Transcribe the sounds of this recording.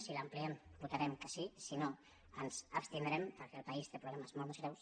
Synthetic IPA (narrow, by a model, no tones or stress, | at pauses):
silampliembut̪aɾɛmkasisino | ənzapst̪ind̪ɾempəɾkeəlpaist̪epɾuβleməzmolmezɣɾɛws